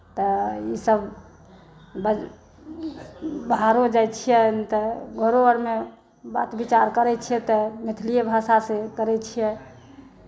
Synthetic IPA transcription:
t̪ɔisəb | b | bɦaɾod͡ʒajt͡ʃʰijɛt̪ɔɡʱəɾoəɾme | ba̰t̪bit͡ʃaɾkəɾɛt͡ʃʰijɛt̪ɔmit̪ʰlijebʱasasekəɾɛt͡ʃʰijɛ

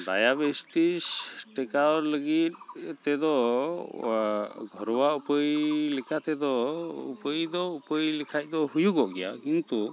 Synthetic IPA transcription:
ɖa̰jabesʈisʈɛkaɾləɡit̪̚t̪ɛd̪ɔ | ɡʱɔɾɔwaupəjlɛkʰat̪ɛd̪ɔṵpəjd̪ɔupəjlɛkʰaj̚d̪ɔhujuɡɔʔɡɛja̰kint̪u

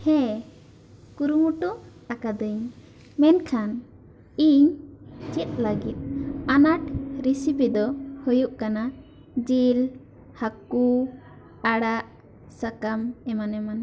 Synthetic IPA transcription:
hɛ̃ | kuɾumuʈɔt̪akad̪əɲ | mɛnkʰan | iɲt͡ʃɛt̪̚ləɡit̪̚anaʈɾisipid̪ɔhujuʔkana | d͡ʒil | haku | aɽaʔ | sakamɛmanɛman

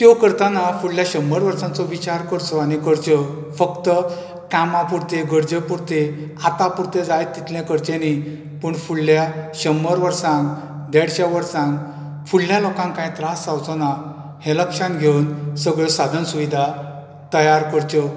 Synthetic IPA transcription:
t̪jɔkəɾt̪anafuɭljaɕəməɾʋəɾsãnt͡sɔʋit͡ɕaɾkəɾt͡sɔañikəɾt͡ɕə | fəkt̪ə | kamãpuɽt̪eɡəɾd͡ʑəpuɾt̪e | at̪apuɾt̪ed͡zajt̪ːit̪lɛ̃kəɾt͡ɕẽni | pəɳfuɭːjaɕəməɾʋəɾsãnk | d̪ɛɽɕaʋəɾsãn | fuɭljalɔkãŋkãĩt̪ɾasawt͡sɔna | hẽləkʂanɡʱewnsəɡɭəsad̪ʱənsuʋid̪ʱa | t̪əjaɾkəɾt͡ɕə

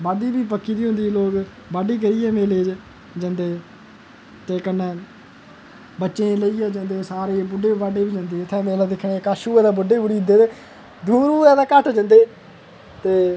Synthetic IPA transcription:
baːɖiːbiːp̬əkːiːd̪iːɦʊ̃nd̪iːloːk | baːɖiːk̬əɾiːɛːmeːleːd͡ʒ | d͡ʒənd̪eː | t̪eːkənːɛ̃ː | bətːʃẽːləiːɛːd͡ʒənd̪eːsaːɾeːbʊɖeːbaːɖeːbiːd͡ʒə̃nd̪eːɪt̪ʰːɛ̃ːmeːlaːd̪ɪkʰːɽeːkaːʃuːɛːd̪aːbʊɖeːbʊɽiːd̪eːt̪eː | d̪uːɾuːɛːd̪aːkəʈd͡ʒə̃nd̪eː | t̪eː

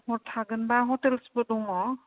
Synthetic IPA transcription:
hɔtʰːaɡɯnbaɦɔtɛlspɔdɔŋɔ

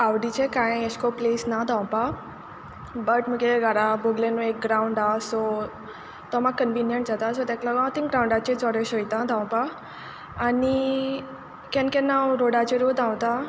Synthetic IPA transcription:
aʋɽit͡ɕekãjeskoplesnad̪ʱãwpa | bəʈməkeɡaɾaboɡlenuek̚ɡɾauɳɖasɔ | t̪ɔmaɡ̚kənʋinjəɳʈd͡zat̪asɔt̪ɛ̃klaɡãt̪ĩŋɡɾãwɳɖat͡ɕẽt͡sɔɾeɕɔjt̪ãd̪ʱãwpaː | ni | kɛ̃nkɛnːaɾoɽat͡ɕeɾod̪ʱãwt̪a

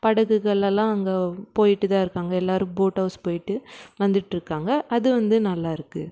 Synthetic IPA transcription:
pɐɽɐɣɯɣɐɭɐlːãːɐŋɡepoːjɪʈːɯt̪ãːɪɾɯkːaːŋɡɐɛlːaːɾɯ̃mboːʈɐʊspoːjɪʈːɯʋɐnd̪ɯʈːɪɾɯkːaːŋɡɐʔɐðɯʋɐnd̪ɯnɐlːaːɪɾɯkːɯ

